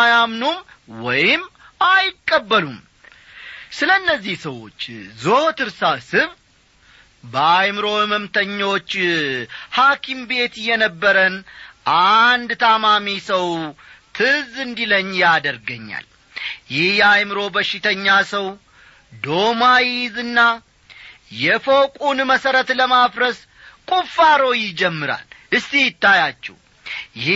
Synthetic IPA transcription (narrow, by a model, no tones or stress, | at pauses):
jamnumwɔjɪm | ajɪkʼːəbːəlum | sɨlənːəzːihsəwo̞̰t͡ʃːzoht̪ɨɾsasɨβ | bəajmɨɾo̞məmt̪ʰəɲːo̞t͡ʃː | hakʰimbe̞t̪jɛnəbːəɾənʔand̪t̪ʰamamisəwt̪ʰɨzɨnd̪iləɲːjad̪əɾɡəɲːa̰l | jɪhjɛajmɨɾo̞bəʃːɪt̪ʰəɲːasəw | d̪o̞majizɨnːa | jɛfokʼunməsəɾət̪ləmafɾəs | kʼufːaɾo̞jɪd͡ʒɛmːɨɾa̰lʔɨst̪ijɪt̪ːajat͡ʃːɛ̰w | j